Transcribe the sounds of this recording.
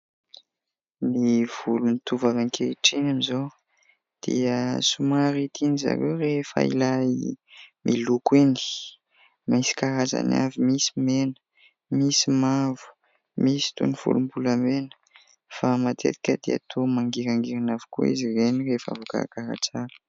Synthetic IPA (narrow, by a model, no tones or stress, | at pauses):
niv̥ulunit̪uvavankʰeiʈ͡ʂinamizo | d̪̥ḭəsumaɾit̪ʰiniza̰ɾewrefə̰ḭlaimʔilukwini̥ | misi̥kaɾaza̰na̰vimisimenə̥ | misimavu̥ | misi̥t̪ṵniv̥ṵlumbulamenə̥ | famat̪ʰḛt̪i̥kʲəd̪ea̰t̪ʰomaŋɡiɾaŋɡiɾinavi̥kuḭzirenirefa̰vuka̰kaɾa̰t͡saɾə̥